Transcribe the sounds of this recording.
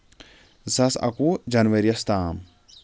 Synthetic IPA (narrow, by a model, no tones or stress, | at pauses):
zɐsɐ̰kud͡ʒɐnʋɐɾjɐst̪aːm